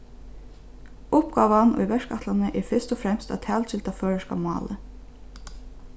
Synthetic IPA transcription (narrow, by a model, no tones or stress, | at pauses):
ʊpɡɑːʋanʊ̰jʋɛʂkat̪lanəʔɛɹfɪst̪ɔfɾɛmst̪a̰ðt̪ʰæːlt͡ʃɪlt̪ʰaføːɹaʃka̰mɑ̰ːlə